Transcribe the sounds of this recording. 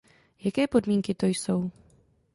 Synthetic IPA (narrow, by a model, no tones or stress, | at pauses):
jakɛːpo̞dmiːŋkɪt̪o̞jso̞w